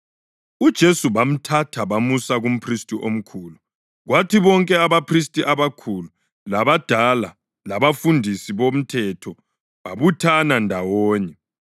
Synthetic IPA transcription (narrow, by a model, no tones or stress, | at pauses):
ud̥ʒ̥ʱesuβam̩tʰatʰaβamusaɣum̩pʰristʼiʔo̰m̩kʰuːlu | ɣwatʰiβɔŋkʼɛaβapʰristʼiʔaβakʰulu | laβad̥ʱala | laβafundʱisiβom̩tʰɛtʰɔ | βaβutʰanandʱawɔːɲɛ